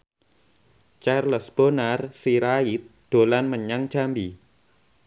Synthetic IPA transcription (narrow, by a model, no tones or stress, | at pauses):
t͡ʃarlɔsb̥onarsiɾait̪̚d̪̥o̤lanməɲaŋ̥ʒ̥a̤mbi